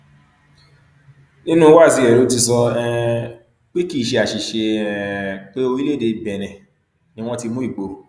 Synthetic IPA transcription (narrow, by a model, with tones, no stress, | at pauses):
nĩ˦nũ˦wa˦˨zi˨˧˦ɛ˨ɾo˨˦ti˧sɔ˧ɛ˦˧ | k͡pe˦ki˦˨ʃe˧a˨ʃi˨ʃe˧ɛ˦k͡pe˦o˧i˦le˦˨de˧˨bɛ˨ɾ̃ɛ̃˨ | nĩ˦w̃ɔ̃˦ti˧mũ˦i˦˨ɡ͡bo˨˦